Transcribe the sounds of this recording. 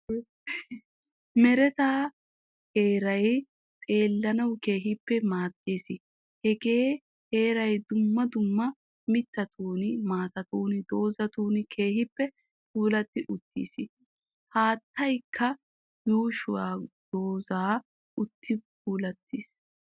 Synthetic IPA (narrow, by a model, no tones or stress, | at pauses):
mɛɾɛt̪aː | heːɾɐj | t̪ʼe̞ːlːɐnɐwke̞ːɦɪpːɛmaːt̪ːeːsɪ | hɛɡeː | heːɾɐjd̪ʊmːɐd̪ʊmːɐ | mɪt̪ːɐt̪ʰuːnɪmaːt̪ɐt̪uːnɪd̪o̞ːzɐt̪uːnɪkʰe̞ːhɪpːɛ | puːlɐt̪ːɪʔʊt̪ːḭːsɪ | haːt̪ːɐjkʰːɐ | juːʃʊwaːd̪̥o̞ːzaː | ʊt̪ːɪpuːlɐt̪ːis